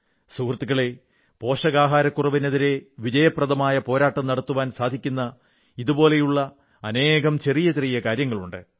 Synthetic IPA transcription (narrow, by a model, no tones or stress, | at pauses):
suːrt̪ːiɣɐɭe̞ | po̞ːʂɐɣaːɦaːɾɐkːurɐʋineðiɾe̞ʋid͡ʑɐjɐprɐðɐmaːjɐpo̞ːɾaːʈːɐmnɐɽɐt̪ːuʋaːnsaːd̪ʱikʲːunːɐ | iðubo̞ːle̞juɭːɐ | ɐne̞ːɣɐmt͡ɕe̞rijɐtirijɐkaːɾjɐŋːɐɭuɳɖɨ